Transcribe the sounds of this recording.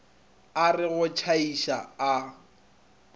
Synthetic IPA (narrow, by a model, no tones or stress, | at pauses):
arɪɣʊt͡ʃʰaiʃaa